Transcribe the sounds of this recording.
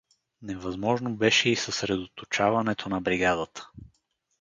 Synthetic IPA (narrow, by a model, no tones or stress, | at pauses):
nɛvɐzmɔʒnobɛʃɛisəsɾɛd̪ot̪ot͡ʃavɐnɛt̪ʰonɐbɾiɡad̪ət̪ə̥